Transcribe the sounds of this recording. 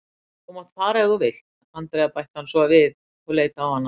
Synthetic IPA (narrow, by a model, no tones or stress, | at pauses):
umaðfaːɾaɛðuvɪl̥t̪ | ant̪ɾejapajht̪hanːsɔavɪð | ɔɣleːjt̪aawhanːa